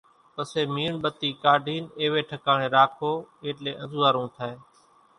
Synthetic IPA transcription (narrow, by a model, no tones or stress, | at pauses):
pəseːmiːɳɓət̪iːkaːɖʱiːneːʋeːʈʰəkaːɳeːɾaːkʰoːeːʈleːʔə̃nzuːaːɾũːt̪ʰaːeː